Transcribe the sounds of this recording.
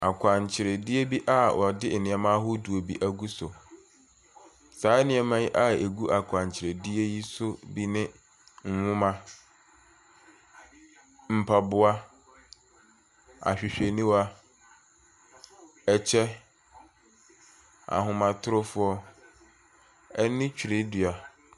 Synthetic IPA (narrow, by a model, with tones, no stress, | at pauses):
a˨kʰʷã˨ɲ˨t͡ɕʰɪ˨ɾɛ˨dɪ˦e˦bi˦ʔa˦wɔ˨dɪ˦˨nɪ̃˨ɛ˨mã˦ɦʊ˦du˨o˨bi˦ʔæ˦ɡu˦sɔ˨ | saː˨˦nɪ̃˨ɛ˨mã˦ji˦ʔa˦e˨ɡu˦ʔa˨kʰã˨ɲ˨t͡ɕʰɪ˨ɾɛ˨di˦e˦ji˦sʊ˦bi˦nɪ̃˦ | ŋ̩˦hʊ̃˦mã˦ | m̩˨pʰa˨bʊ˦a˦ | a̰˨ɕᶣɪ˨ɕᶣe˨nĩ˦wa˦ | ɛ˨t͡ɕʰɛ˦ | a̰˨ɦʊ̃˨mã˨tʰʊ˦ɾʊ˦fʊ˦ɔ˦ | ɛ˦nɪ̃˦t͡ɕᶣʰi˨ɾe˦dʊ˨a˨